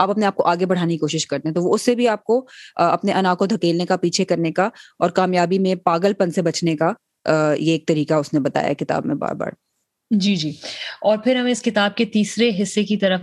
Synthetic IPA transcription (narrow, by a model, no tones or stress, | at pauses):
aːpɐpneaːp̚koʔaːɡebɐɽ̤aːnekikoːʃɪʃkɐɾt̪ẽɦɛ̃t̪oʋoʊsːebʱiaːp̚koɐpneʔɐnaːkod̪ʱɐkeːlnekapiːt͡ʃʰekɐɾnekaɔːɾkaːmjaːbimẽpaːɡəlpɐnsebɐt͡ʃneka | jeːk̚t̪ɐɾiːkaʊsnebɐt̪a̰ːja̰ɛkɪt̪a̰ːbmḛ̃ba̰ːɾba̰ːɾ | d͡ʒiːd͡ʒiːɔːɾpʰɪɾɦɐmẽɪskɪt̪aːb̚ket̪iːsɾeɦɪsːekit̪ɐɾəf